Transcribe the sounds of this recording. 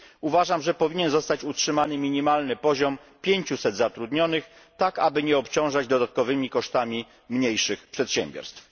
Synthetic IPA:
uvaʐamʐɛpɔvʲiɲɛnzɔst̪at͡ɕutʂɘmanɘmʲiɲimalnɘpɔʑɔm | pʲjeɲt͡ɕusɛd̪zat̪ɾud̪ɲɔnɘx | t̪akabɘɲɛɔpt͡ɕɔ̃w̃ʐad͡ʑd̪ɔd̪at̪̚kɔvɘmʲikɔʂt̪amʲi | mɲejʂɘxpʂɛt̪ɕɛ̰mbʲjɔ̰ɾst̪f

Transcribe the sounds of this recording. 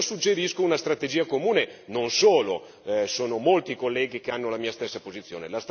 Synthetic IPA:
sud͡ʒːeɾiskounast̪ɾat̪ed͡ʒiːakomuːnenonsoːlo | soːnomolt̪ikolːɛːɡikeanːolamiːast̪esːapozit̪sːjo̰ːnḛlast̪

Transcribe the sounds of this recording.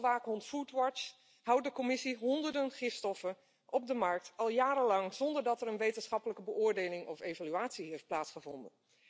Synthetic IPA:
ʋaːkɦɔntfutʋɑt͡ʃ | ɦʌwt̚dəkɔmɪsiɦɔndəɹdənχɪfstɔfən | ʔɔb̚dəmɑɹk̚tɑlˠjaːɾəlɑŋzɔndəɹdɑtɛɾənʋejtənsχɑpələkəbəʔʊːɹdejlɪŋʔɔfejvalyaːtsiɦejft̚plaːtsχəvɔndə̰n

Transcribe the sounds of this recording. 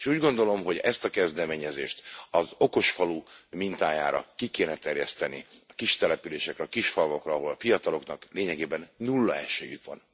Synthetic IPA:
eʃuːɟɡo̞nd̪o̞lo̞mɦo̞ɟɛst̪ɒkɛzd̪ɛmeːɲɛzḛːʃt̪ɒzo̞ko̞ʃfɒlumint̪aːja̰ːɾɒ̰kikeːnɛt̪ɛrjɛst̪ɛnḭɒkiʃt̪ɛlɛpyleːʃɛkɾɛɒkiʃfɒlvo̞krɒːɦo̞lɒfijɒt̪ɒlo̞knɒkleːɲɛɡeːbɛnːulːɒɛʃeːjykʋɒ̰n

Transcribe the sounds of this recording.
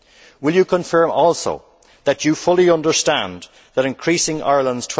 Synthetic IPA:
wɪlˠjəkʰə̃ɱfɜ˞mɔlˠso̰ʊ | ðət͡ʃəfʊlˠiʌ̃ndə˞stãn | ðəɾɪ̃nkʰɹ̥isɪ̃ŋa̰ɪɹlə̃ndz̥tʰw

